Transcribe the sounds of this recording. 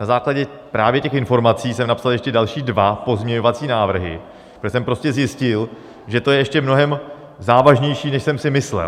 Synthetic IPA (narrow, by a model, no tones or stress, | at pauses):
nazaːklaɟɛ | pɾaːvjɛcɛxɪnfo̞ɾmat͡siːsɛmnapsaljɛʃcɛdalʃiːdvapo̞zmɲɛɲo̞vat͡siːnaːvr̩ɦɪ̰ | sɛmpɾo̞scɛzjɪscɪl | ʒɛt̪o̞jɛjɛʃcɛmno̞ɦɛm | zaːvaʒɲɛjʃiːnɛʃsɛmsɪmɪslɛ̰